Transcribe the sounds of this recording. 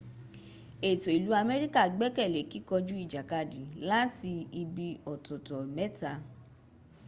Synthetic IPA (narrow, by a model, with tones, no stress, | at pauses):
e˨to˨i˨lu˨˦a˧mɛ˦ɾi˦ka˦˨ɡ͡bɛ˦kɛ˦˨le˨˦ki˦kɔ˧d͡ʒu˦i˦˨d͡ʒa˨ka˧˨dĩ˨˦la˦ti˧i˧bi˧ɔ˨tɔ˨tɔ˨mɛ˦ta˨